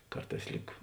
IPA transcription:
ˈkɐrˌtɑːs ˈlʲiːk

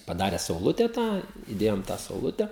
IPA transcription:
pɐˈdɑːrʲɛ sɐʊˈlˠʊtʲɛ ˈtɑː ɪˈdʲeːjoːm tɑː sɐʊˈlˠʊtʲɛ

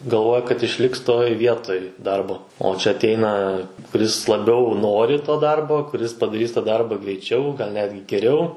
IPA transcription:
ɡɐlˠˈʋoːjɛ kɐt ɪʃʲˈlʲɪks toːj ˈʋʲiɛtoːj ˈdɐrboː oː t͡ʃʲɛ ˈɑːtʲɛɪnɐ kʊˈrʲɪs lˠɐˈbʲɛʊ ˈnoːrʲɪ toː ˈdɐrboː kʊˈrʲɪs pɐdɐˈrʲiːs tɑː ˈdɐrbɐ ɡrʲɛɪˈt͡ʃʲɛʊ ɡɐlˠ ˈnʲæːdʲɡʲɪ ɡʲɛˈrʲɛʊ

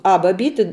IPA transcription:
ˈɐ bɐˈbʲiːtʲɪ

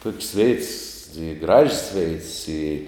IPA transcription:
toːkʲsʲ ʋʲɛɪts ɪ ɡrɐʃʲsʲ ʋʲɛɪts ɪ

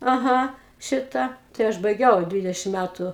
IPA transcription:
ɐˈɣɐ ˈʃʲɪtɐ tɐɪ ˈɐʃ bɐɪˈɡʲɛʊ ˈdʲʋʲɪdʲɛʃʲɪm ˈmʲætʊ

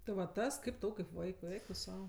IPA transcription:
tɐɪ ˈʋɐ ˈtɐs ˈkɐɪp ˈtɐʊ kɐɪp ˈʋɐɪkʊɪ ˈɛɪk tʊ ˈsɐʊ

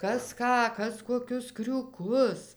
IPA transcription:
ˈkɐs ˈkɑː ˈkɐs koːˈkʲʊs krʲuːˈkʊs

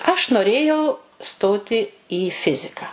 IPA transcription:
ɐʃ noːˈrʲeːjɛʊ ˈstoːtʲɪ iː ˈfʲɪzʲɪkɑː

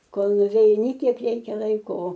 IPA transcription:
ˈkoːlˠ nʊʋʲɛɪˈnʲɪ ˈkʲiɛk ˈrʲɛɪkʲɛ ˈlˠɐɪkoː oː

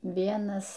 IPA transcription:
ˈʋʲiɛnɐs

